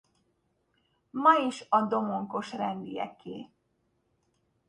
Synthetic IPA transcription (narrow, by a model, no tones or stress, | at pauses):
mɒiʃɒd̪o̞mo̞ŋko̞ʃrɛnd̪ijɛ̰kːḛː